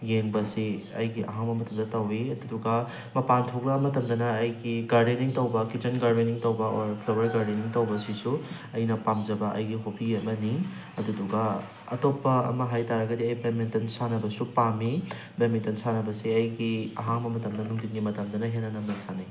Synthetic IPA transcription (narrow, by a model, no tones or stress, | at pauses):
jeŋbɐsi | ɐjɡiʔɐ̰ɦaŋbɐmɐtɐmdɐtɐwiɐduduɡɐ | mɐpantʰok̚bɐmɐtɐmdɐnɐːjɡiɡaɾdeniŋtɐwbɐkid͡ʒɐnɡaɾeniŋtɐwbɐoɾpʰlawɾɐɾɡaɾdeniŋtɐwbɐsisu | ɐjnɐpamzɐbɐʔɐ̰jɡiɦopʰiɐmɐni | ɐduduɡɐ | ɐtopːɐ̰ːmɐɦajtaɾɐɡɐdiɐjpementɐnsʰanɐbɐsupami | bementɐnsʰanɐbɐsiɐjɡiɐɦaŋbɐmɐtɐmdɐnuŋdinɡimɐtɐmdɐnɐɦenːɐnɐmbɐsʰani